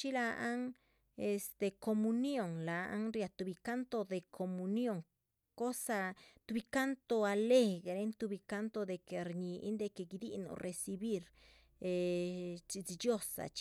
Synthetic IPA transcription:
t͡ʃi˦la˧a˦ŋ | e˧st̪e˨ko˧mu˧njo˧˨ŋla˨a̰˦ŋɾja˧t̪u˧bi˧ka˦nt̪o˧d̪e˨kʰo˨mu˧njo˦˧ŋ | ko˦sa˧t̪u˧bi˧ka˦nt̪o˧a˧le˦˧ɡɾe˧˦nt̪u˧bi˧ka˦nt̪o˧d̪e˧ke˨˧ɾɲi˧ḭ˦nd̪e˧ke˧ɡi˧d̪ḭ˦no̰˧ɾʔe˧si˧bi˦ɾ | e˧t͡ʃi˧t͡si˧d͡ʒjo˦˧sa̰˨t͡ʃ

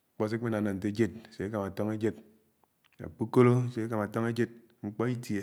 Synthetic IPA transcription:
k͡pɔ˦s̬e˦k͡pe˦na˨na˨n̩˨te˦d͡ʒe˦t̚se˨e˦ka˨ma˨to˦ŋe˦d͡ʒe˦d̚ | a̰˨k͡pu˦ko˦lo˦˨se˨e˦ka˨ma˨tɔ˦ŋe˦d͡ʒe˦d̚ | ŋ͡m̩˦k͡pɔ˦i˦tje˨

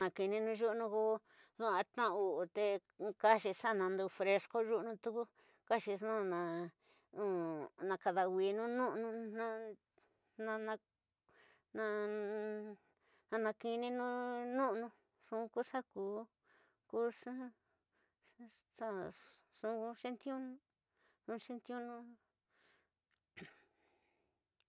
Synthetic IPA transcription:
nã˧ki˧nĩ˧nũ˧ʒu˦ʔnũ˧ko˦ | ðu˦ã˧t̪ã˦˧u˧ʔt̪e˧ka˦ʃi˧sa˦˨nã˧nd̪u˧fɾe˧sko˦ʒu˦ʔnũ˧t̪u˦ku˦ | ka˦ʃi˧sũ˦˨nã˨˧ | ũ˨nã˧ka˧ða˧wʷi˧nũ˦nũ˦ʔnũ˧nã˦˧ | nã˧nã˧ | nã˧ | nã˧nã˧ki˧nĩ˦nũ˦nũ˦ʔnũ˧ | ʂũ˧˦˧ku˦ʂa˦kuː˧˦ | ku˦ʂ | sa˦ʂũ˧˦ku˧ʃe˦nt̪jũ˦ñ˦ | nũ˧ʂe˦nt̪i˦ũ˦nũ˦

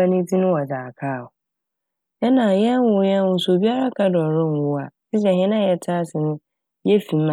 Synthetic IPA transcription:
a˦nĩ˦tʰi˦nʊ̃˦wɔ˨d͡zaː˨kʰaː˦˨ʊ˨ | ɛ˦nã˨jɛ̃˦n˦wʊ˦jɛ̃˦ʊ˨so˨bi˦a˦ɾa˦kʰa˦dɔ˨ɾɪ̃˦n˨wʊ˦a˨si˦s̬ɛ˨ɦɪ̃˦nã˦jɛ˨tʰa˦sɪ˨nʊ̃˦ | jɛ˦fĩ˨m˦a˨

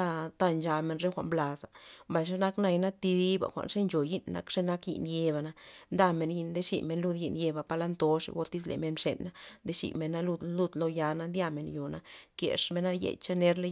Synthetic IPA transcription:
a˧t̪a˦nt͡ʃa˧me˧nɾe˦xʷa̰˨ʔmbla˨sa˨mba˨jʂ̬e˦na˦kna˧jna˦t̪i˧d̪i˦ba̰˨xʷa̰˨nʂe˦nt͡ʃo˨ji˦nna̰˧˦kʂe˦na˦kjḭ˧ʔnje˧ba˨na˧nd̪a˦me˧nji˧nd̪e˦ʂḭ˨me˧nlu˦˧d̪ji˧nje˧ba˨pa˧la˦nt̪o˧ʂḛ˨ɡo˧t̪i˦s̬lḛ˨me˧nmʂḛ˨nːa˦nd̪e˦ʃḭ˨me˨nːa˦lu˦d̪lu˧d̪lo˧ja˧na˦nd̪ʲja˧me˨njo˨na˦kḛ˨ʂme˧na˦jḛ˧˨jt͡ʃa˦ne˦ɾle˦

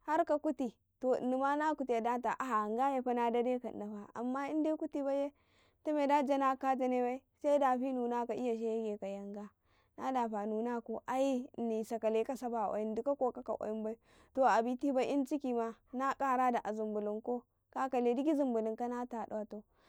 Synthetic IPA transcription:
ha˦ɾka˨ku˦ti˨ | to̰˨ni˨ma˦na˦ku˨ti˨ja˨da˦ta˨ʔa˨a˨ŋɡa˦ja˨ɸa˦na˨da˦de˦ka̰˨na˨ɸa˨ʔa̰˨mːa˦i˦nde˦ku˦ti˦ba˦je˦ | tu˦me˨da˦d͡ʒa˦na˦ka˦ta˦ne˦ba˦i˦sa˦i˦da˨ɸi˦nu˨na˦ka˨ʔi˦ja˨ʃ̬e˦je˦ɡe˨ka˨ja˨ŋɡa˦ | na˦da˨ɸa˨nu˨na˦ko˨ʔa˦i˦˨ni˨sa˨ka˨le˦ka˦sa˦ba˨ʔo̰˨ji˦n˦du˦ka˦ko˦ka˦ka̰˨ʔa̰˨ji˦mba˦i˦ | to˨a˨bi˨ti˦ba˦ʔi˦nt͡ʃi˦ki˨ma˦ | na˦kʼa˦ɾa˦da˨ʔa˨zu˨mbu˨lu˨ŋko˦ | ka˦ka˨le˨di˦ki˦zu˨mbu˨li˨ŋka˦na˦ta˨ɗa˦a˨to˨

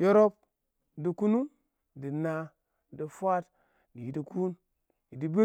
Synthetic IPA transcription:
jo˦ɾo˦p̚ | di˨ku˦nu˦ | di˨na˧˨ | di˨fʷa˦t | di˨i˨di˨ku˦n | ji˨di˨be˦

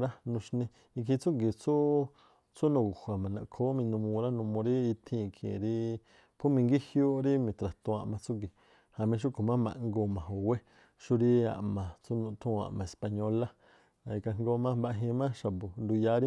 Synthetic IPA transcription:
ɾa˦nũ˧ʃnĩ˧ | i˧kʰi˧t͡su˦ɡi˨t͡su˦ | t͡su˦nũ˧˨ɡu˨hʷa˨mã˨nã˧˨kʰo˦mĩ˧nũ˧mũ˧ɾa˦nũ˧mõ˧ɾi˦i˧t̪ʰĩ˧kʰḭ̃˨ɾi˦ | pʰu˦mĩ˧ŋɡi˦hjo˦ɾi˦mĩ˧˨t̪ɾa˨t̪õ˧a˧ʔmã˧t͡su˦ŋɡi˨ | ha˨mĩ˧ʃ̬u˦ko˨mã˦mã̰˧ʔŋɡo˧˨mã˨ɦo˨we˦ | ʃu˦ɾi˦a̰˨ʔmã˨t͡su˦nũ˧t̪ʰũ˦a̰˨ʔmã˨e˨spa˧ɲo˧la˦ | ã˨˧i˧ka˧ŋ˦ɡo˧˦mã˦ba˧ɦĩ˧mã˦ʃa˨bo˨nd̪u˧ja˧˦ɾi˦

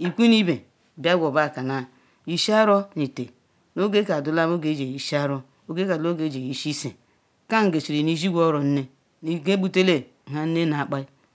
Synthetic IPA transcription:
i˨kʷi˦ni˦be˨ | ba˦ɡʷo˨ba˦˨ka˨na˨ | i˨ʃa˦ɾo˦ni˨te˨ | no˦ɡe˦ka˨du˨la˦mo˦ɡe˦d͡ʒe˨ji˨ʃi˦a˦ɾo˦ | o˦ɡe˦ka˨o˦ɡe˨˦d͡ʒe˨i˨ʃi˦se˨ | ka˦ŋ̩˨ɡe˨t͡ʃi˨ɾi˨ni˦zi˦ɡʷo˦ɾo˨n̩˦ne˦ | ni˨ɡe˦bu˦te˦le˦˨ | ɦa˨n̩˦ne˦na˨k͡pa˦i˦

